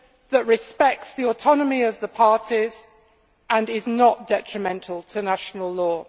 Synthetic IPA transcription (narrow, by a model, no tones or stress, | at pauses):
ðəʔɹɪspɛk̚tsðiɔtʰɒnəmiəvðəpʰɑɹtʰiz̥ | ʔə̃nɪznəʔd̥ɛt͡ʃɹ̥əmɛ̃ntʰˡəl̩ˠtʰənaʃənəlˠlɔː